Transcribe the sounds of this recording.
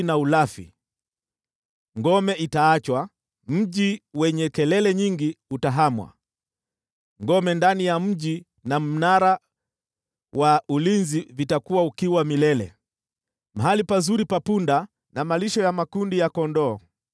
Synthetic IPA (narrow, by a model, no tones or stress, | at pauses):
naulafḭ | ŋɡɔmɛitaːt͡ʃwa | m̩ʄiwɛɲɛkɛlɛlɛɲiŋɡiutaɦamwa̰ | ŋɡɔmɛndanijam̩ʄi | nam̩naɾa | waulinzivitakuwaukiwamilɛlɛ̰ | maɦalipazuɾipapunda | namaliʃɔjamakundijakɔndɔː